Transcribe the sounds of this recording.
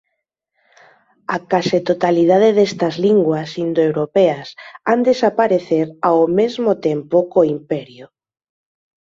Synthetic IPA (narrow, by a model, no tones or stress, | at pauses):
akaset̪ot̪alið̞aðeðest̪ɐzliŋɡwɐsind̪oewɾopeɐsand̪esapaɾeθeɾawmezmot̪empʊkoimpɛɾjʊ